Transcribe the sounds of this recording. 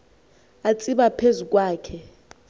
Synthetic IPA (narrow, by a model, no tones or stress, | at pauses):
at͡sʼiɓapʰezuk̬ʼwaːkʰɛ